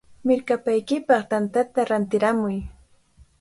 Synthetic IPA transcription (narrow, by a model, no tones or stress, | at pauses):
mɪɾkapajkɪpɑχt̪ant̪at̪aɾant̪ɪɾamʊj